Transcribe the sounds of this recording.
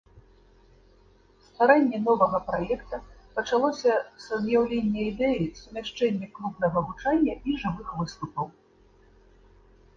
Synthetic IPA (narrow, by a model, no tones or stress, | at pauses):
st̪vaɾanʲːɛnɔvɐɣɐpɾajɛkt̪ɐpɐt͡ʂalˠɔsʲɐsɐzjawlʲenʲːɛid̪ɛjisumʲaʂt͡ʂɛnʲːɛklˠupnɐɣɐɣut͡ʂanʲːɐʔiʐɨvɨxvɨst̪upɐw